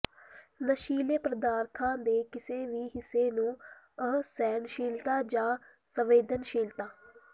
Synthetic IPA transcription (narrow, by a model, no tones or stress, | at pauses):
nəʃiːleːpɾəd̪aːɾt̪ʰãːd̪eːkɪseːʋiːɦɪsːeːnũː | əsɛːnʃiːlt̪aːd͡ʒãː | səʋeːd̪ənʃiːlt̪aː